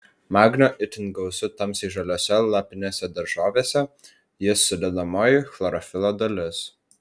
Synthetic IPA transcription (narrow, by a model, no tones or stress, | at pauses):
mɑːɡnʲoʔɪt̪ʲɪnɡɐʊsʲʊt̪ɐmsiɪʒɐlʲoːsʲɛlˠɑpʲɪnʲeːsʲɛd̪ɐɾʒoːʋʲeːsʲɛ | jɪsʊd̪ʲɛd̪ɐmoːjʊxlˠɐɾɔfʲɪlˠod̪ɐlʲɪs